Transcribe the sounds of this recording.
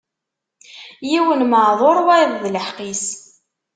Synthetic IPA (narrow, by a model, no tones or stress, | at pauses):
jiwənməʕðˤoɾˤwævðləħqis